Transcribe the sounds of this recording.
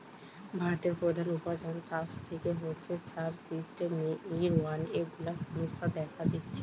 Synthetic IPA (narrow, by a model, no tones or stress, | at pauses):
bʱaɾot̪eɾpɾod̪ʱanupad͡ʑant͡ɕast̪ʰekeɦotːɕʰet͡ɕaɾsisʈemiɾwaneɡulasumisad̪ɛkʰad͡ʑitːɕʰe